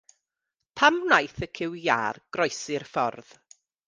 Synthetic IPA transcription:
pʰamnajθəkʰɪwja̰ːrɡ̥rɔjsɪrfɔrð̥

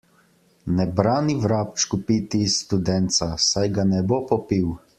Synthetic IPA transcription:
nɛbɾaːniʋɾaːp̚t͡ʃkupit̪ist̪ud̪ɛnt̪sasajɡanɛbopɔpiw

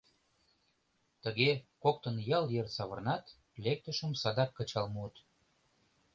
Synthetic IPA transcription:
t̪əɣekok̚t̪ə̆njɑljersɑβə̆rnɑt̪ | lek̚t̪əʃə̆msɑd̪ɑkːət͡ɕɑlmuət̪

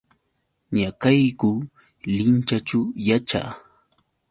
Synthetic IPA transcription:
ɲakajkʊ | lɪnt͡ʃat͡ʃʊjat͡ʃa̰ː

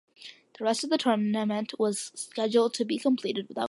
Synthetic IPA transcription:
ðəɹɛstʌvðɨtʰɜ˞mnɨmɨ̃nʔwʌz̥skɛd͡ʒl̩ˠd̚tʰɨbikʰə̃mpʰl̥iɾɨd̚wəθaʊ

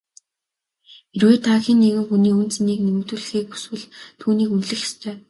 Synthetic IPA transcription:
erweːt̪ʰaːxʲiːnːeɣɘ̆mxuniːɵn̥t͡sniːknemɘ̆kt̪uːɮɘ̆xiːk̚u̥swɘ̆ɮt̪ʰuːniːkunɮɘ̆xe̥st̪ʰœː

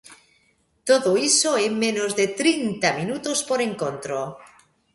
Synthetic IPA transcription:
t̪oðoisoemẽnozðet̪ɾint̪aminut̪ospoɾe̞ŋkont̪ɾo

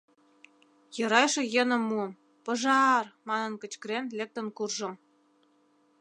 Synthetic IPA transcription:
jɤ̆ɾɑjʃĕjə̆nə̆mːuəm | pɤ̆ʒɑrmɑnə̆nkə̆t͡ɕkɾenlek̚t̪ə̆nkurʒə̆m

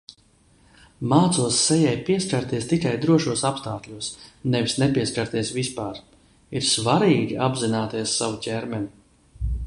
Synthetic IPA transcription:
maːt̪suɔsːɛjɛjpiɛskʲaɾt̪iɛst̪ikajd̪ɾuɔʃuɔsapst̪aːkʎʲuɔsnɛvisnɛpʲiɛskʲaɾt̪iɛsvispaːɾ | iɾsvaɾiːɡʲiabzinaːt̪iɛsːavucʲɛɾmɛnʲi

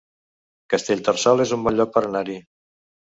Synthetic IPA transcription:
kəst̪eʎʲt̪ərsɔlˠezumbɔʎɔk̚pəɾənaɾi

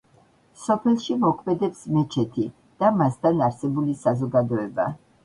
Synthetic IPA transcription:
sɔpʰɛlˠʃimɔkʰmɛd̪ɛpsmɛt͡ʃʰɛt̪ʰi | d̪̥amast̪ʰanaɾsɛbulisazɔɡad̪ɔɛba

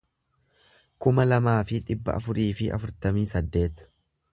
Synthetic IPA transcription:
kʊmɐlɐmaːfɪᶑɪbːɐ̰ʔɐ̰fʊɾiːfɪʔɐ̰fʊɾt̪ɐmiːsɐd̪ːe̞ːt̪

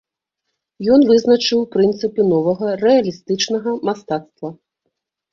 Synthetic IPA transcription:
jɔnvɨznɐt͡ʂɨwpɾɨnt̪sɨpʲinɔvɐɣɐrɛɐlʲist̪ɨt͡ʂnɐɣɐmast̪at̪st̪vɐ

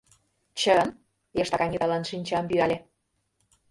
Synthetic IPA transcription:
t͡ɕəən | jeʃt̪ɑkɑnʲit̪ɑlɑnʃinʲt͡ɕɑmbyɑlʲe

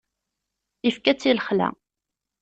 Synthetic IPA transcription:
ifkæt͡sːilχlæ̰

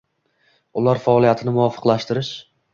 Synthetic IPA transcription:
ʊlaɾfaɒlˠijat̪ʰɪnɪmʊvɒfɨ̥qlˠaʃt̪ɪɾɪʃ

